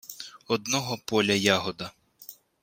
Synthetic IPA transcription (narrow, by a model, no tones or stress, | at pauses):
ɔd̪nɔɦɔpɔlʲɐjaɦɔd̪ɐ